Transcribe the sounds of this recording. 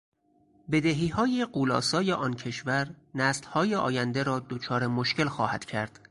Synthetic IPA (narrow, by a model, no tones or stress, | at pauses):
be̞d̪eɦiːhɒːjeɢuːlɒ̰ːsɒːjeʔɒːncʰe̞ʃvæɾ | næslhɒːjeʔɒ̰ːjænd̪eɾɒːd̪ot͡ʃʰɒːɾemoʃke̞lxɒːhæd̪̥cʰæɾd̪̥